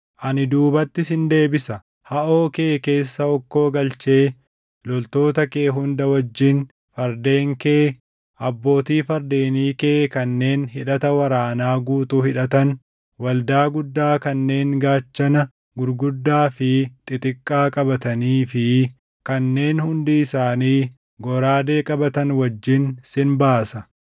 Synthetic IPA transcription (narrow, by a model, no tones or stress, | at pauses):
ʔɐnɪd̪uːbɐt̪ːɪsɪnd̪e̞ːbɪsɐ | hɐʔo̞ːke̞ːke̞ːsːɐɔkːo̞ːɡɐlt͡ʃe̞ː | lɔlt̪o̞ːt̪ɐkeːɦʊnd̪ɐwɐd͡ʒːɪn | fɐɾd̪e̞ːŋkeː | ʔɐbːo̞ːt̪iːfɐɾd̪e̞ːniːkeːkɐnːe̞ːnɦɪᶑɐt̪ɐwɐɾaːnaːɡuːt̪uːhɪᶑɐt̪ɐn | wɐld̪aːɡʊd̪ːaːkɐnːe̞ːŋɡaːt͡ʃːɐnɐ | ɡʊɾɡʊd̪ːaːfɪt̪ʼɪt̪ʼɪkʼːaːkʼɐbɐt̪ɐniːfɪ | kɐnːe̞ːnhʊnd̪iɪsaːniː | ɡɔɾaːd̪e̞ːkʼɐbɐt̪ɐnwɐd͡ʒːɪnsɪnbaːsɐ